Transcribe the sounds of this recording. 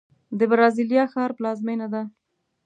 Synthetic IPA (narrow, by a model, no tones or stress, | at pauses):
d̪əbɾɑziljɑxɑɾplɑzmenad̪a